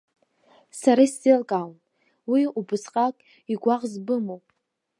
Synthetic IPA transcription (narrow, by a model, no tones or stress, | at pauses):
saɾasdelkʼaln | wiubɨsqʼakʼ | iɡʷaʁzbɨmowpʼ